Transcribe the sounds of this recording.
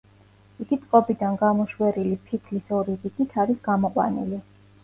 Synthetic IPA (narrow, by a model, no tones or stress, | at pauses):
iɡ̥it̪sʼqʼɔbid̪anɡamɔʃwɛɾilipʰik̪ʰlisɔɾiɾiɡit̪ʰaɾisɡamɔqʼwa̰nḭli